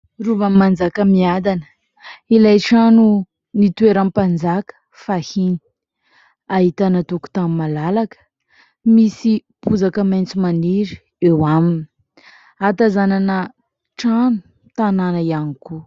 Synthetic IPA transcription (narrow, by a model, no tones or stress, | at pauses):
ruvamand͡zakəmiad̪anə̥ | ilajʈ͡ʂanu | nit̪ueɾampand͡zakə̥ | fahini̥ | aɦit̪anət̪uku̥t̪amimalalakə̥ | misipuzakəmajnt͡simaniɾi | ewamini̥ | at̪azananə | ʈ͡ʂanu̥ | t̪ananəianiku